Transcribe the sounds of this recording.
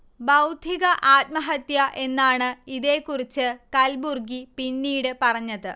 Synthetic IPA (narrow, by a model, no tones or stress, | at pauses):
bɐwd̪ʱiɣɐʔaːt̪̚mɐɦɐt̪jɐʔe̞nːaːɳɨiðeːkːurit͡ɕːɨkɐlburɡipinːiːɽɨpɐrɐɲːɐðɨ